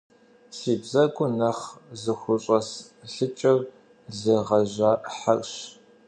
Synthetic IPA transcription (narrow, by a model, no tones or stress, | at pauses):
siːbzɐkʷʼʊnɐχzɨxʷʊɕʼɐs | ɬɨt͡ʃʼɐr | zɨʁɐʑaːħakʼɕ